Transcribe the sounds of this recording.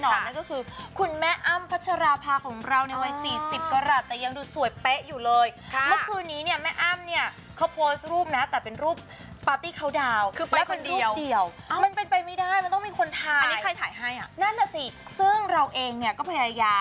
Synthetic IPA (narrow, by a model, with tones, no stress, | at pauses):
nɔː˨˩nna˦˥kɔː˥˩kʰɯː˧kʰu˧nmɛ˦˥ʔa˥˩mpʰa˦˥t̪̚t͡ɕʰa˧ɾaː˧pʰaː˧kʰɔː˩˦ŋɾa˧wna˧˩jwa˦˥jsiː˨˩si˨˩p̚kaː˧ɾaː˨˩t̪ːɛː˨˩ja˧ŋduː˧su˨˩˦əjpe˦˥ʔjuː˨˩lɤː˧jʰmɯ˦˥kʰɯː˧nːiː˦˥ni˥˩ɐmɛ˦˥˩ʔa˥˩mni˥˩ɐ | kʰa˦˥wpʰoː˦˥sɾuː˥˩p̚na˦˥t̪ɛː˨˩pe˧nɾuː˥˩p̚ː | aː˦˥t̪iː˥˩kʰa˦˥˩wdaː˧wkʰɯː˧˩lɛ˦˥wke˧ndɾuːi˥˧wdi˨˧˩əw | ma˧npe˧npa˧jma˥˩jdaː˥˩jma˧nt̪ɔ˥˩ŋmiː˧kʰo˧nt̪ʰaː˧jkʰa˧jt̪ʰaː˨˩˦jɦa˥˩ja˨˩na˥˩nːa˧˩si˧˩sɯ˥˩ŋɾa˧wʔeː˧ŋni˥˩ɐkɔː˥˩pʰːa˧jaː˧